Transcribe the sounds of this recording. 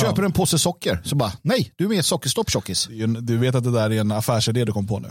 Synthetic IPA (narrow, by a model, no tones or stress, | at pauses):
øːpəɾɛnpʰoːsəsɔkːəɾsɔbɑːnɛjdd̪ɵæɾmɛɛt̪sɔkːəʂt̪ɔpːɕɔkːɪsɛnd̪ɵveːt̪at̪d̪ɛd̪æːɾæɾɛnafæːʂɪd̪eːd̪ɵkʰɔmːəpʰɔnʉ̰ː